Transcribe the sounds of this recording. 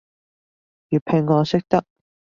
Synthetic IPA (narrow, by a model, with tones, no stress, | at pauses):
jyː˨˩pʰe˨˧˩ŋːɔː˨˧sɪ˥k̚t̪ɐ˥k̚